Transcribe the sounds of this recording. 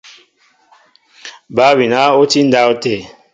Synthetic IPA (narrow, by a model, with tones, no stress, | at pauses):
ba˨˦wi˨na˨˦o˦ti˦n̩˦da˦o˦te˦˨